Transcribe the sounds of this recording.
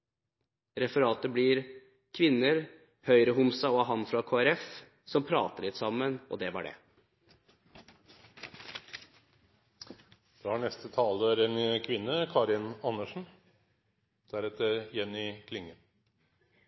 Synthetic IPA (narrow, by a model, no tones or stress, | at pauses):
ɾɛfəɾɑːt̪əbliɾ | kʰʋɪnːəɾ | hœʏɾəɦʊmsɑɔɦɑnfɾɑkʰoːæɾɛf | sɔmpʰɾɑ̰ːt̪əɭɪt̪sɑmːənʔɔ̰d̪ɛʋɑɖɛ̰ | d̪̥ɑhɑɳɛst̪ət̪ʰɑːləɾɛnkʰʋɪnːəkʰɑːɾɪnɑnəʂɳ̩ | d̪̥æɾɛt̪əɾjɛnːɪkʰlɪŋːən